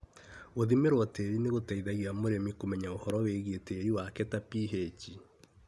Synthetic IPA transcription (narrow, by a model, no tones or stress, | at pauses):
ɣoðimeɾwɔteɾineɣotaiðaɣiamoɾemikomɛɲaohɔɾɔweɣeteːɾiwakɛtapiɦet͡ʃi